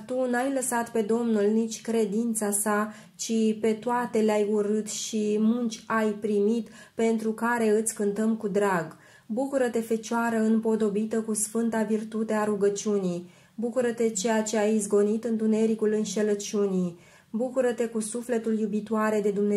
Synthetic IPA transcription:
t̪unajləsat̪pe̞d̪o̞mnulnit͡ʃʲkɾe̞d̪int̪sasa | t͡ʃipe̞t̪oat̪e̞leajuɾɨt̪ʃimunt͡ʃʲajpɾimit̪ | pe̞nt̪ɾukaɾe̞ɨt̪sʲkɨnt̪əmkud̪ɾaɡ | bukuɾət̪e̞fe̞t͡ʃoaɾəɨnpo̞d̪o̞bit̪əkusfɨnt̪avirt̪ut̪e̞aɾuɡət͡ʃiunij | bukuɾət̪e̞t͡ʃe̞jat͡ʃe̞ajizɡo̞nit̪ɨnt̪une̞ɾikulɨnʃe̞lət͡ʃuni | bukuɾət̪e̞kusufle̞t̪uljubit̪oaɾe̞d̪e̞d̪umne

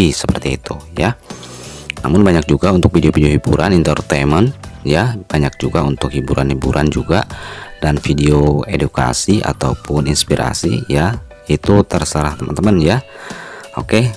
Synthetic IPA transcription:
isəpərt̪iːt̪uja | na̰mʊnbaɲak̚d͡ʒuɡaunt̪ʊk̚fideofideoɦibṵɾʔanint̪ərt̪emənjab̥aɲak̚d͡ʒuɡaunt̪ʊkhibuɾʔanhibuɾʔa̰nd͡ʒuɡadanfideoeduka̰siʔa̰t̪aupʰʊninspiɾʔa̰sḭja | it̪ut̪ərsəɾaht̪əmə̰nt̪əmənja | oke

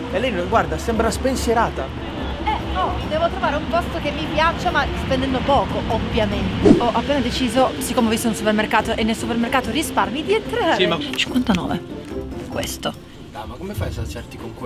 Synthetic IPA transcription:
ɛlːɛjnoɡward̪asɛmbɾaspensjeɾaːt̪a | ɛnɔd̪ɛːvot̪ɾovaːɾeumpost̪ok̟emːipjat͡ʃːamaspend̪ɛnd̪opɔːkoʔovːjament̪eɔʔapːeːnad̪et͡ʃiːzosikːomeɔvist̪ounsupermerkaːt̪oʔenːelsupermerkaːt̪orisparmid̪ient̪ɾaːɾiet͡ʃiŋkwant̪anɔ̰ːvḛkwḛst̪o | d̪amakomefajsat͡ʃɛrt̪i̥koŋk

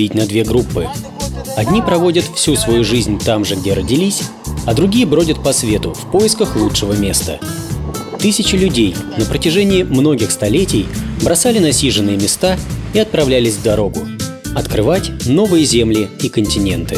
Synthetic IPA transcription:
it̚ʲnɐd̪vʲe̞ɡɾupːɨ | ɐdʲnʲipɾɐvo̞dʲət̪fsʲusvɐjuʐɨzʲnʲt̪amʐɨɡdʲe̞ɾədʲɪlʲisʲ | ɐd̪ɾʊɡʲijəbɾo̞dʲət̪̚pɐsvʲe̞t̪ʊfpo̞jɪskəxlˠutʂɨvəmʲe̞st̪ə̰ | t̪ɨsʲɪt͡ɕɪlʲʉdʲejnəpɾətʲɪʐɛnʲɪɪmno̞ɡʲɪxst̪ɐlʲetʲɪjbɾɐsalʲɪnɐsʲiʐɨnːɨjəmʲɪst̪aiɐt̪̚pɾɐvlʲælʲɪzʲvd̪ɐɾo̞ɡʊɐt̪kɾɨvatʲno̞vɨjəzʲe̞mlʲɪikənʲtʲɪnʲe̞nt̪ɨ

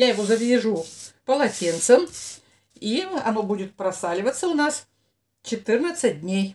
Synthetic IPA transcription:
jajɪvo̞zəvʲɪʐupəlˠɐtʲint̪səm | iɐno̞budʲɪt̪̚pɾɐsalʲɪvət̪səʊnas | t͡ɕɪt̪ɨrnət̪sɨt̚ʲdʲnʲej

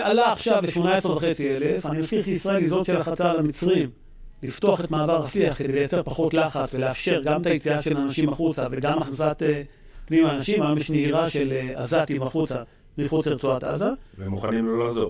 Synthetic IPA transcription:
ʔalaːχʃavleʃmo̞naes̞vaχe̞t͡siele̞fanimat͡sliχisʁaelizo̞dʃe̞laχat͡salamit͡sʁim | lift̪o̞aχe̞tmaːvaʁafiaχke̞d̪elejat͡se̞ʁpaχo̞tlaχat͡sve̞leafʃe̞ʁɡamet̪ajit͡siaʃe̞laːnaʃimaχut͡save̞ɡamaχazat̪e | pnimaaːnaʃimameʃneiʁaʃe̞la̰zat̪imaχut͡sa | miχut͡seʁt͡suat̪a̰zavemuχanimlolazo

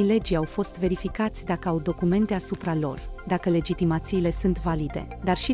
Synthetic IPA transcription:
jle̞d͡ʒiawfo̞st̪ve̞ɾifikat̪sʲd̪akəawd̪o̞kume̞nt̪e̞asupɾalo̞̰rd̪akəle̞d͡ʒit̪imat̪siːle̞sunt̪valid̪e̞̰ | d̪arʃi

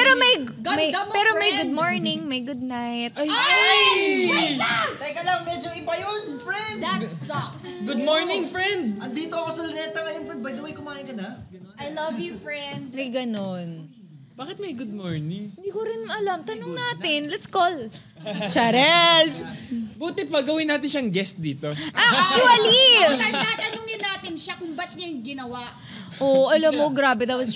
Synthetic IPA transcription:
ppɛːɾomɐj | mɐjpɛːɾomɐjɡʊd̪̚moɹnɪŋmɐjɡʊd̪̚najt̪̚aj | t̪ɐjkɐlɐŋmɛd͡ʒoʔɪpɐjonfɹɛnd̪at̪ | ɡʊd̪̚moɹnɪ̃ŋfɹɛnd̪̚ʔɐnd̪iːt̪oɐkosɐlɪnɛt̪ɐŋɐjonfɹɛnd̪̚bɐjd̪ɐwɛjkʊmaːʔɪnkɐnɐ | ʔajlɐvjufɹɛ̃nd̪̚mɐjɡɐnon | b̥aːkɪt̪̚mɐjɡʊd̪̚moɹnɪŋɪnd̪iːkoɾɪnɐlɐmt̪ɐnoŋnaːt̪ɪnlɐt̪skol | t͡ʃaɾɛsbuːt̪ɛpaɡɐwɪnːaːt̪̬ɪnʃɐɐŋɡɛst̪̚d̪iːt̪o̞ʔakuɐlitaat̪ɐnʊŋjɐnːaːt̪ɪnʃakʊmbɐt̪̚ɲɐŋɡɪnɐwaʔ | ʔoʔɐlɐmːoɡɾaːbɛd̪at̪̚wɐs

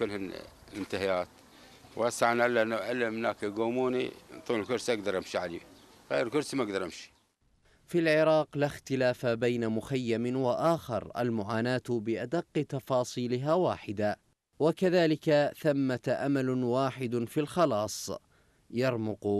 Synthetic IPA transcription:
kʊlːhaɪnt̪ahajaːt̪ | wʔasaʕanʔalːaʔnːaʔalːamhnaːkiɡoːmuːnḭt̪ˤːuːnlkʊɾsiʔaɡd̪ɑɾˤʔamʃiʕalḭ | ɣeːɾlkʊɾsimaɡd̪ɑɾˤʔamʃi̥ | filʕɪɾˤɑːqlaxt̪ɪlaːfabajnamʊxajːamɪwaʔaːxɪ̰ɾˤʔa̰lmʊʕaːnaːt̪bɪʔad̪aqːt̪ɑfɑːsˤiːlɪɦawaːħɪd̪a | wakaðaːlɪkaθamːat̪ʔamalwaːħɪd̪filxɑlɑːsˤ | jɑɾˤmʊq

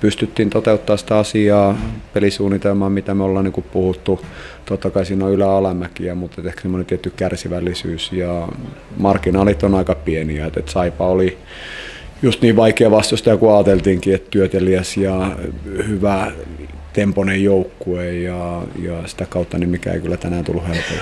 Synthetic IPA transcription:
pyst̪yt̪ːiːnt̪ot̪eut̪ːɑːsĭ̥t̪æɑsiɑːpelisuːnːit̪elmɑːmmit̪æmeolːɑniŋkuppuhut̪ːut̪ot̪ːɑkɑisiːnoylæɑlæmækiɑmut̪et̪ehkæ̥semːonent̪iet̪ːykkærsiʋælːisyːsjɑmɑrkːinɑːlit̪ːonɑikɑpieniæet̪ḛt̪sɑipɑoli | just̪niːʋʋɑikeɑːʋɑst̪osit̪ɑkuɑːt̪elt̪iːŋkiet̪t̪yøt̪eliæsjɑ | hyʋæ | t̪emponejjoukːuejɑjɑsi̥t̪ækɑut̪ːɑnimmikæ̰ˑḛikylːæt̪ænæːnt̪ṵlːuhelpo

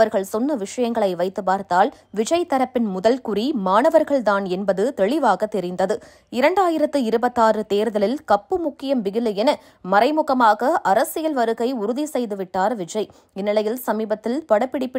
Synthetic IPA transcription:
ɐɾɣɐɭsɔnːɐʋɪʂɐjɐŋɡɐɭɐɪʋɐɪt̪ːɯpaːɾt̪aːl | ʋɪd͡ʒɐɪt̪ːɐɾɐpːɪnmʊðɐlkʊrimaːnɐʋɐɾɣɐɭd̪aːnɛnbɐðɯt̪ɛɭɪʋaːɣɐt̪ːɛɾɪnd̪ɐðɯ | ɪɾɐɳɖaːjɪɾɐt̪ːɯɪɾɯbɐt̪ːaːrɯt̪eːɾðɐlɪlkɐpːɯmʊkːɪjɐmʋɪɣɪlɯɛnɐ | mɐɾɐɪmʊɣɐmaːɣɐʔɐɾɐsɪjɐlʋɐɾɯɣɐɪʊɾʊðisɛjðɯʋɪʈːaːɾʋɪd͡ʒɐɪ | ɛnːɪlɐjɪlsɐmiːbɐt̪ːɪlpɐɽɐpːɪɽɪpːɪ

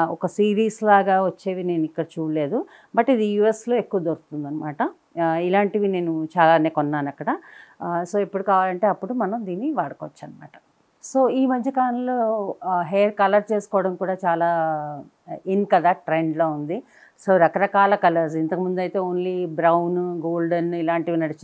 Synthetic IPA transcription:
ɔkɐsiːɾiːslaːɡaːʋɐt͡ʃːe̞ːʋine̞ːnuikːɐɽɐt͡ʃuːɽle̞ːd̪u | bɐʈid̪ijuːe̞slo̞ːe̞kːuʋɐd̪oɾt̪und̪ɐnːɐmaːʈɐ | ilaːɳʈiʋine̞ːnut͡ʃaːlaːneːkɔnːaːnɐkːɐɽɐ | so̞ːepːuɽukaːʋaːlɐɳʈe̞ːɐpːuɽumɐnɐmd̪iːnːiʋaːɽɐkoːʋɐt͡ʃːɐnːɐma̰ːʈɐ̥ | so̞ːiːmɐnt͡ʃʰikaːɐlo̞ːɦejɾkɐlɐɾt͡ʃe̞ːsu̥kɔːʋɽɐmkuːɽaːt͡ʃaːlaː | inkɐd̪aːʈɾeɳɖloːund̪i | so̞ːɾɐkɐɾɐkaːlɐkɐlɐɾs̬int̪ɐkɐmund̪ɐjt̪e̞ːoːnlibɾɐwnɡoːlɖɐnilaːɳʈiʋinɐɽit͡ʃ

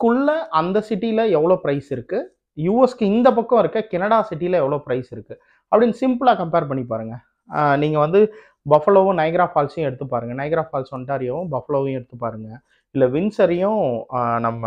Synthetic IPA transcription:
kʊɭːɐʔɐnd̪ɐsɪʈːiɪlɐɛʋːɐɭoːpɪɾɐɪsɪɾɯkːɯ | juːɛskɯɪnd̪ɐp̬ɐkːɔ̃ɪɾɯkːɐkɛnɐɽaːsɪʈːijɪlɐɛʋːɐɭoːpɪɾɐɪsɪɾɯkːɯ | ɐpːɐɽɪnːsɪmpɯlaːkɐmpeːɾpɐɳːip̬ːaːɾɯŋɡɐ | niːŋɡɐʋɐnd̪ɯ | bɐfɐɭoːʋɯ̃nɐɪɡɾaːfaːlsjʊ̃ɛɽɯt̪ːɯp̬ːaːɾɯŋɡɐnɐɪɡɾaːfaːlsɐnʈaːɾɪjõbɐfɐɭoːʋjʊ̃ɛɽɯt̪ːɯpːaːɾɯŋɡɐ | ɪlːɐʋɪnsɐɾɪjʊ̃nɐmːɐ

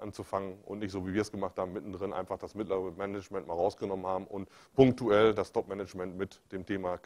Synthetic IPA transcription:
ʔant͡sufaŋənʔʊ̰ntnɪçtz̥oːviːviːɐɛsɡ̥əmaχthaːbm̩mɪtn̩dʁɪnʔa̰ɪnfaχd̥asmɪtləʁəmɛnɛt͡ʃmɛntmaːlʁaʊsɡ̥ənɔmənhaːbm̩ʊntpʰʊŋk̚tuɛldastʰɔpmɛnɛt͡ʃmɛntmɪtd̥eːmtʰeːma

